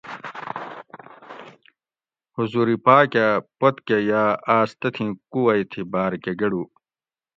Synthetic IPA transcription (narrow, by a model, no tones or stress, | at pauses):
huzuɾipaːkapot̪kejaːaːst̪ɐt̪ʰĩkuwɐjt̪ʰibaːɾkeɡɐɽu